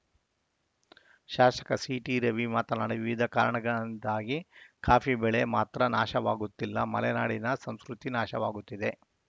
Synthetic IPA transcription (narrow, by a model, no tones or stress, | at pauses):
ʃaːʃɐ̥kɐsiʈiɾeʋimaːt̪ɐnaːɽiʋiʋid̪ʱɐkaːɾɐɳɐɡɐɭnd̪aːɡikʰaːfibɛɭemaːt̪ɾɐnaːʃɐʋaːɡut̪ːilːɐmɐlɛnaːɽinɐsɐm̃skɾut̪inaːʃɐʋaːɡut̪ːid̪e